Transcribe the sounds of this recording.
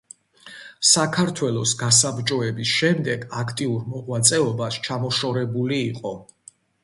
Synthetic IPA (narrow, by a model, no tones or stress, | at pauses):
sakʰaɾt̪ʰwɛlˠɔsɡasabɾt͡ʃʼɔɛbisʃɛmd̪ɛɡakʰt̪ʼiuɾmɔʁwat̪sʼɛɔbast͡ʃʰamɔʃɔɾɛbuliːqʼɔ